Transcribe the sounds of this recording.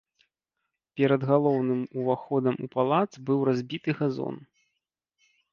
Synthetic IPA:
pʲɛɾɐd̪ɣalˠɔwnɨmuvaxɔd̪ɐmupalˠat̪sbɨwɾazʲbʲit̪ɨɣazɔ̰n

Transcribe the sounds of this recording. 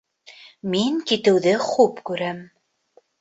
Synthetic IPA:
miŋkit̪ɘ̆wðɘχʉpkʉɾæm

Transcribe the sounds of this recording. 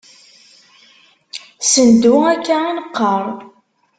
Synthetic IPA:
sənd̪uækːainəqːəɾˤ

